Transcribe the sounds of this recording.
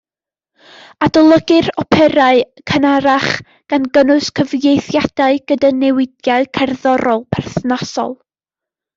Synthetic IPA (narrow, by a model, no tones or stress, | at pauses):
adɔlˠɔɡɪrɔpʰɛɾaɨ | kʰənaɾaχ | ɡ̥anɡənʊskʰəvjejθjad̥aɨɡ̥ədanɛwɪdjaɨkʰarðɔɾɔlˠpʰɛrθnasɔ̰lˠ